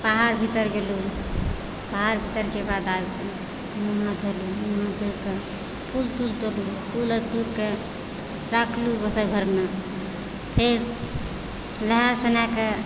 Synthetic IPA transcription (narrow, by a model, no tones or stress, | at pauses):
baɦaɾbʱit̪əɾɡelu | baɦaɾbʱit̪əɾkebad̪aɡbe | muɦãd̪ʱolumuɦãt̪uɾke | pʰult̪ult̪oɾlupʰulət̪uɾke | ɾakʰlubəsəɡʱəɾme | pʰeɾ | ləɦəɾsənake